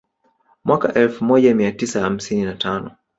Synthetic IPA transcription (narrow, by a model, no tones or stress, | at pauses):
mwʔakaʔɛlfumɔʄamiatisaham̩sininatʰanɔ